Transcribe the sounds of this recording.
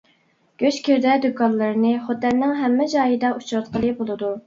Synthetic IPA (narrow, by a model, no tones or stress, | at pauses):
ɡ̥ʲøt͡ʃkʲʰiɾd̪ɛd̪ukɑnlˠɨɾnɨχot̪ːɛnnːɪŋɦɛmːɪd͡ʒɑːjid̪ɑʔut͡ʃʰɾɑt̪qʰəlˠɨbolˠɨd̪u